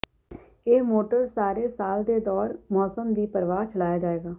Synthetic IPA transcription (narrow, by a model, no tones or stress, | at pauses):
eːmoːʈəɾsaːɾeːsaːld̪eːd̪ɔːɾmɔːsəmd̪iːpəɾʋaːt͡ʃəlaːjaːd͡ʒaːeːɡaː